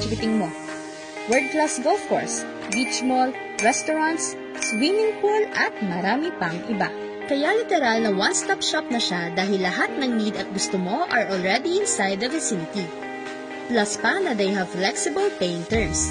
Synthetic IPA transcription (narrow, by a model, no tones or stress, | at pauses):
ɡɪt̪ɪŋmo | wɛɹd̪̚klasɡolfko̰ɹs | bit͡ʃmol | ɹɛst̪oɹãnt̪sː | wimɪŋpulʔɐt̪̚mɐɾaːmɪpɐŋʔɪba̰ | kɐjalɪt̪ɛɾalnɐwɐnst̪apʃap̚nɐʃad̪aːɦɪlːɐɦat̪̚nɐŋnid̪ɐt̪̚ɡʊst̪omo̞ʔɐɹʔolɹɛd̪iɪnsajd̪ɐvɐsinɪt̪i | plɐspɐnɐd̪ejɦɐvflɛksɪbɐlpejɪŋt̪ɛɹms